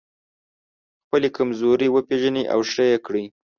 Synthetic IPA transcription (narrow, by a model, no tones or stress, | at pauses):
xpəlekamzoɾiwəpeʒəniʔa̰wʃəjekɽi